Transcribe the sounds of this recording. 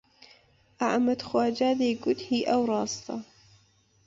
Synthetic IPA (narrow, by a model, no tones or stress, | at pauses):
ʔaʕmad̪xwaːd͡ʒaːd̪eːɡʊt̪hiːʔawɾˤɑːst̪ɑ̰